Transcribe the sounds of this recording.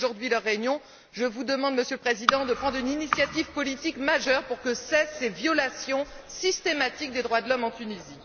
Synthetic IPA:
ʒuʁd̪ɥilœʁːeynjɔ̃ | ʒəvud̪əmɑ̃d̪məsjøləpχezid̪ɑ̃d̪əpχɑ̃d̪ʁyninisjat̪ivpɔlit̪ikmaʒœʁpuʁkəsɛsːevjɔlasjɔ̃sist̪emat̪ik̚d̪ed̪ʁwad̪lɔmɑ̃t̪ynizi

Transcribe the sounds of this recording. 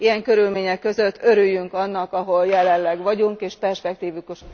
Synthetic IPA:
ijɛŋkø̞ɾylmeːɲɛkːø̞zø̞t̪ːø̞ɾyjːyŋkɒnːɒkɒɦo̞ljɛlɛnlɛɡʋɒɟuŋkeːʃpɛrʃpɛk̚t̪iːvyk

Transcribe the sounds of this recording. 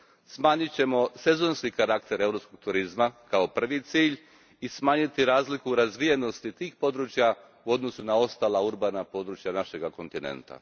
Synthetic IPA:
smaːɲit͡ɕe̞mo̞se̞zo̞nskikaɾak̚t̪e̞ɾe̞ʋɾopsko̞ɡ̚t̪uɾizmakao̞pr̩ʋit̪siːʎ | ismaːɲit̪iɾaːzlikuɾazʋije̞no̞st̪it̪iːxpo̞d̪ɾut͡ɕja | uo̞d̪no̞sunao̞st̪aːlauɾbanapo̞d̪ɾut͡ʃjanaʃe̞ɡako̞nt̪inḛnt̪a̰

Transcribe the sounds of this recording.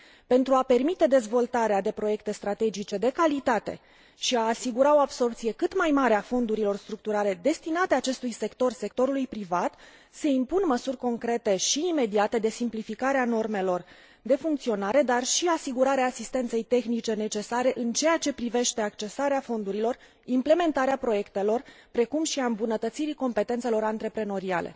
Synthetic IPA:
pe̞nt̪ɾuape̞rmit̪e̞d̪e̞zvo̞lt̪aɾead̪e̞pɾo̞je̞k̚t̪e̞st̪ɾat̪e̞d͡ʒit͡ʃe̞d̪e̞kalit̪at̪e̞̰ | ʃiaːsiɡuɾao̞abso̞rp̚t̪sije̞kɨt̪majmaɾeafo̞nd̪uɾilo̞rst̪ɾuk̚t̪uɾale̞d̪e̞st̪inat̪eat͡ʃe̞st̪ujse̞kt̪o̞rse̞kt̪o̞ɾulujpɾivat̪ | səimpunməsurʲko̞ŋkɾe̞t̪e̞ʃiːme̞d̪iat̪e̞d̪e̞simplifikaɾeano̞rme̞lo̞r | d̪e̞fuŋkt̪sio̞naɾe̞d̪arʃiasiɡuɾaɾeaːsist̪e̞nt̪se̞jt̪e̞xnit͡ʃe̞ne̞t͡ʃe̞saɾe̞ʔɨnt͡ʃe̞jat͡ʃe̞pɾive̞ʃt̪e̞akt͡ʃe̞saɾeafo̞nd̪uɾilo̞r | imple̞me̞nt̪aɾeapɾo̞je̞kt̪e̞lo̞rpɾe̞kumʃiaɨmbunət̪ət̪siɾiko̞mpe̞t̪e̞nt̪se̞lo̞ɾant̪ɾe̞pɾe̞no̞ɾia̰le̞̰

